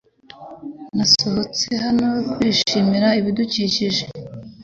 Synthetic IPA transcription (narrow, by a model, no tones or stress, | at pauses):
naso̞ɦo̞t͡se̞hanojokwiːʃimiɾaiβiduciːciʒe